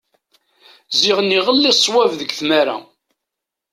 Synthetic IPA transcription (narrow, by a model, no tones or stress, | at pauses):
ziʁənːiʁəlːisˤːwævðəɡθmæɾæ̰